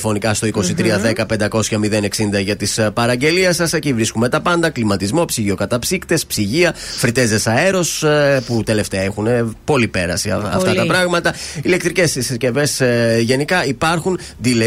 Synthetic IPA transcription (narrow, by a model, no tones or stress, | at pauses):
fo̞nikɐst̪o̞iko̞sit̪ɾiɐðe̞kɐpe̞nd̪ɐko̞sçɐmiðe̞ne̞ksind̪ɐʝɐt̪ispɐɾɐɲɟe̞liɐsɐsecivɾiskume̞t̪ɐpɐnd̪ɐklimɐt̪izmo̞psiʝio̞kɐt̪ɐpsikt̪e̞spsiʝiɐfɾit̪e̞ze̞sɐe̞ɾo̞sput̪e̞le̞ft̪eɐexunepo̞lipe̞ɾɐ̰sḭɐ̰ft̪ɐt̪ɐpɾɐɣmɐt̪ɐile̞kt̪ɾice̞sssce̞ve̞sʝe̞nikɐipɐɾxund̪ile